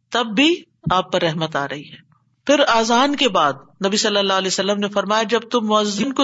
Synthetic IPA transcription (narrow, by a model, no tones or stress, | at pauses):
t̪ɐbːi | aːp̚pɐɾːɛɦmət̪a̰ːɾɐɦiɦɛː | pʰɪɾaːzaːnkebaːd̪̚nɐbisɐlːəlːaːɦlɛːsɐlːəmnefɐɾmaːjad͡ʒɐb̚t̪ʊmːʊəzːɪnko